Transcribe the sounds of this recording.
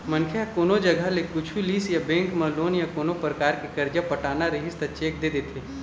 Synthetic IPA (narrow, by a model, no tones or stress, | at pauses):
mɐnkʰeakoːnod͡ʒɐɡʱəlekʊt͡ʃʰuliːsjabẽːŋkmɐ̃loːnjakoːnopɾəkaːɾkekɐɾd͡ʒapɐʈaːnaɾɐɦɪst̪ət͡ʃeːk̚d̪eːd̪eːt̪ʰeː